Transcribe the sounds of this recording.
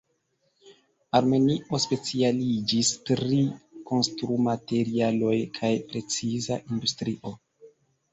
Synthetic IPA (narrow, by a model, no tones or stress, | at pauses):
aɾme̞niʔo̞spe̞t͡sialid͡ʒistɾiko̞nstɾumate̞ɾialo̞jkʰajpɾe̞t͡sizaʔindustɾiʔo̞